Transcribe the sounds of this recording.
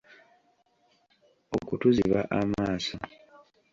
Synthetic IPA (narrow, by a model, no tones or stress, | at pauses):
o̰kutuziβaʔamaːso